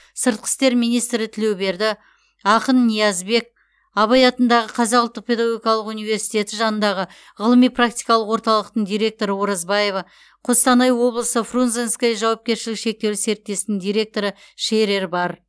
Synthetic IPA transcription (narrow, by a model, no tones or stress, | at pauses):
səɾt̪̚qʰə̥st̪e̞ɾmijnijst̪ɾɪt̪ʰɪle̞wbe̞ɾd̪ɪ | ɑqənːijɑzbe̞k̚ | ɑβɑjɑt̪ənd̪ɑʁəqʰɑzɑqʊlˠt̪ːəq̚pʰʲe̞d̪aɡo̞ɡʲijɑlˠəqunijve̞ɾsijt̪e̞t̪ɪʒɑnənd̪ɑʁə | ʁəlˠəmijpʰrak̚t̪ʲijkɑlˠəqwoɾt̪ɑlˠəq̚t̪əɴd̪ijɾʲe̞k̚t̪o̞ɾəwoɾɑzbɑje̞vɑ | qʰost̪ɑnɑjwo̞blˠəsəfrunzenskajəʒɑwɑp̚kʲe̞ɾʃɪlɪkʃe̞k̚t̪e̞w̪ɪse̞ɾɪt̪ːe̞st̪nɪŋd̪ijɾe̞k̚t̪o̞ɾə | ʃe̞ɾe̞ɾbɑɾ